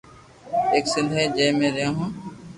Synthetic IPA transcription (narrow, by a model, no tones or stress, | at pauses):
eːksɪ̃nd̪ʱɦɛːd͡ʒẽːmẽːɾɪjãːɦõː